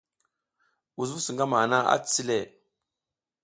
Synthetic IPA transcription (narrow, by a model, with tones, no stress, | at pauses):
u˨zvu˦su˨ŋɡa˦ma˨na˦a̰˦t͡st͡si˦le˦˨